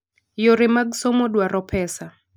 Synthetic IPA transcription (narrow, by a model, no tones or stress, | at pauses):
joɾɪmaɡsomɔdwaɾɔpʰɛsa